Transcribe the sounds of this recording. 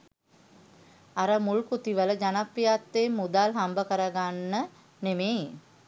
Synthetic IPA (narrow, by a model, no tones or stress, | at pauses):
aɾəmulkut̪iʋələd͡ʒanapːijat̪ːemːud̪alɦambəkəɾəɡanːə | neme